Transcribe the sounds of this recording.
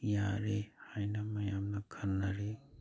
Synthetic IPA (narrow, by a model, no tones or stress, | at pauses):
jãɾehajnamãjamnaɡʰʱəɾnaɾe